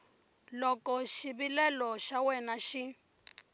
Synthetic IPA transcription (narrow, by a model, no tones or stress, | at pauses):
lɔkɔʃiβilɛlɔʃawɛnaʃi